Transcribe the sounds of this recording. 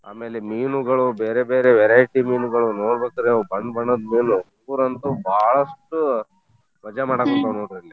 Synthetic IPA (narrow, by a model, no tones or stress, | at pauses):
a̰ːme̞ːlemiːnuɡɐɭubeːɾebeːɾeʋɛɾajʈimiːnuɡɐɭunoːɽbeːkd̪ɾebɐɳɖbɐɳːod̪miːnuuuɾɐnt̪ubʱaːɭɐsʈu | ʋɐd͡ʒamaːɽakont̪ɐnoːɖɾɐlːi